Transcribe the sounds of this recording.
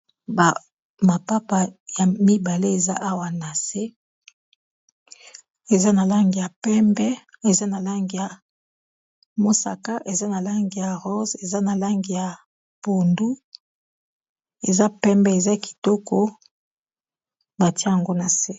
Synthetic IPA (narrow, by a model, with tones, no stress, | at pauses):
ba˨ | ma˨pa˦pa˨ja˨mi˦ba˨le˦e˨za̰˦ʔa˦wa˨na˨se˦ | e˨za˦na˨la˦ŋɡi˨ja˨pɛ˦mbɛ˦e˨za˦na˨la˦ŋɡi˨ja˨ | mo˦sa̰˨ka˦ʔe˨za˦na˨la˦ŋɡi˨ja˨ʁo˦ze˨za˦na˨la˦ŋɡi˨ja˨ | po˨ndu˦ | e˨za˦pɛ˦mbɛ˦e˨za˦ki̥˨tɔ˦kɔ˦ | ba˨ti˦a˦a˨ŋɡo˦na˨se˦